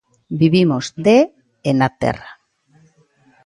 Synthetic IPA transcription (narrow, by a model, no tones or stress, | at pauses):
biβimozd̪e | enat̪ḛra